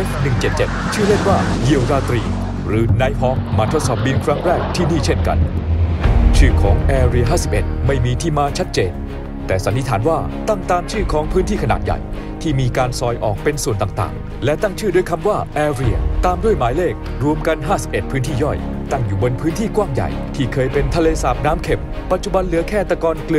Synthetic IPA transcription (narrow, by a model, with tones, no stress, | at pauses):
nɯ˨˩ŋt͡ɕe˨˩t̪̚t͡ɕe˨˩t̪̚t͡ɕʰɯː˥˩le˥˩nwaː˥˩ji˧˩əwɾaː˧t̪ɾiː˧ | ɾɯː˩˦na˧˥jɦɔː˦˥ŋ̚maː˧o˦˥t̪̚sɔː˨˩p̚biː˧nkʰɾa˦˥ŋɾɛː˥˩k̚t̪ʰiː˥˩niː˥˩t͡ɕʰe˥˩nka̰˧n | t͡ɕʰɯː˥˩kʰɔː˩˦ŋʔɛː˧ɾi˧əɦaː˥˩si˨˩p̚ʔe˨˩t̪̚ma˥˩jmiː˧t̪ʰiː˥˩maː˧t͡ɕʰa˦˥t̪̚t͡ɕeː˧n | t̪ɛː˨˩sa˩˦nt̪i˧˥t̪ʰaː˩˦nwaː˥˩t̪a˥˩ŋt̪aː˧mt͡ɕʰɯː˥˩kʰɔː˩˦ŋpʰɯː˦˥nt̪ʰiː˥˩kʰa˧naː˨˩t̪̚ja̰˨˩j | t̪ʰiː˥˩miː˧kaː˧nsɔː˨˧jʔɔː˨˩k̚pe˧nsu˨˩nt̪aː˨˩ŋt̪a̰ː˨˩ŋ | lɛ˦˥t̪a˥˩ŋt͡ɕʰɯː˥˩do˧jkʰa˧mwaː˥˩ʔɛː˧ɾi˧˩ət̪aː˧mdu˥˩əjmaː˩˦jleː˥˩k̚ | ɾu˧əmka˧nɦaː˥˩si˨pʔe˨˩t̪̚pʰɯː˦˥nt̪ʰiː˥˩jɔ˥˩j | t̪a˥˩ŋjuː˨˩bo˧npʰɯː˦˥nt̪ʰiː˥˩kwaː˥˩ŋja̰˨˩jt̪ʰiː˥˩kʰɤː˧jpe˧nt̪ʰa˧leː˧saː˨˩p̚naː˦˥mkʰe˨˩m | pːa˨˩t̪̚t͡ɕu˨ba˧nlɯ˨˩˦ɐkʰɛː˥˩t̪a˧kɔː˧nklɯ˧